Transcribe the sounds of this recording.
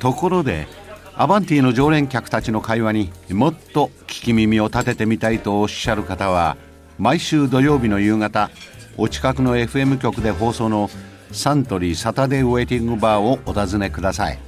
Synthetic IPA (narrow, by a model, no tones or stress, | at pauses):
t̪o̞ko̞ɾo̞d̪e̞̰ | a̰bãnt̪ʲiːno̞ʑo̞ːɾẽ̞ŋkʲakɯ̥t̪at͡ɕino̞kaiβaɲ̟imo̞t̪ːo̞kʲi̥kʲimʲimʲio̞t̪at̪e̞t̪e̞mʲit̪ait̪o̞ːɕːaɾɯ̟kat̪aβ̞a̰ | maiɕɨːd̪o̞jo̞ːbʲino̞jɯ̟ːŋat̪a | o̞t͡ɕi̥kakɯ̟no̞e̞ɸɯ̟e̞mɯ̟kʲo̞kɯ̟d̪e̞ɦo̞ːso̞ːno̞ | sãnt̪o̞ɾʲisat̪ad̪e̞e̞ːt̪ʲĩŋɡɯ̟baːoot̪azɨne̞kɯd̪asaḭ